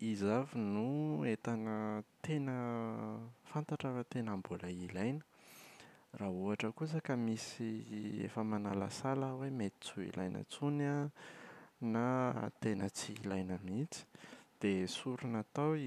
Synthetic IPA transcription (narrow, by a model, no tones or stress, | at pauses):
izavinuet̪anət̪enə | fant̪aʈ͡ʂavət̪enambolailajnə̥ | raɦuaʈ͡ʂəkus̬əkəmisiḛfəmanala̰saləwemet̪i̥t͡suḭlʔa̰jnə̰t͡suna | nat̪enət͡silajnamit͡si̥d̪̥esuɾunat̪aw